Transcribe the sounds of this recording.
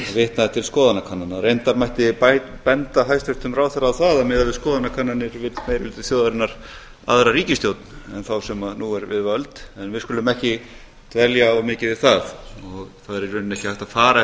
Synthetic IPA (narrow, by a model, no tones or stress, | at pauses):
avɪht̪naðɛht̪ʰɪlskɔːðanakʰanːanaɾejnt̪aɾmajht̪ɪpaj | pɛnt̪aɦajst̪vʏst̪ʏmraːwθaɾawθaðamɪːðalvɪskɔːðanakʰanːanːɪɾvɪt̪mejɾʏlɪt̪ɪfθjowðaɾɪnaɾ̥ | a̰ðɾaɾiːcɪst̪jowt̪̚nʏɛnθawsɛmaðnuɛɾvɪ̰ðvœlt̪ɛnvɪðskʏːlʏmɛhcɪ | t̪ʰvɛljaɔwmɪːcɪðɪθaðɔɣθaðɛɾɛɾʏnnɛhcɪhajht̪afaːɾa